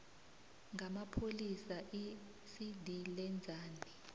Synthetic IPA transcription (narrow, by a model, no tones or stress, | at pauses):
ŋʱamapʰolisaʔi | sidʱilɛnd͡zʱaːni